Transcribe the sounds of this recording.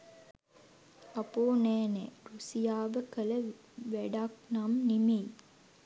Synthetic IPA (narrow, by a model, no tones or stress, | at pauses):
ɐpoːnɛːnɛːɾusijaːʋəkələ | ʋæɖak̚namnimej